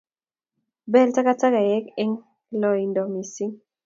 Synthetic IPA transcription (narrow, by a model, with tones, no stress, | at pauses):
bɛ˦lta˦ka˦ta˦ka˨jɛ˦kɛ˦ŋ | lɔ˨i˨ndɔ˨mi˨si˦ŋ